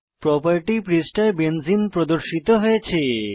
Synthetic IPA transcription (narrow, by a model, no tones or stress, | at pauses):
pɾɔpaɾʈipɾisʈaebend͡ʑimpɾod̪oɾʃit̪oɦojet͡ɕʰe